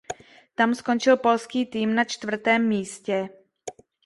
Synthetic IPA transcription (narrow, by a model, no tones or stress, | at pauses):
t̪amsko̞nt͡ʃɪlpo̞lskiːt̪iːmnat͡ʃt̪vr̩t̪ɛːmːiːscɛ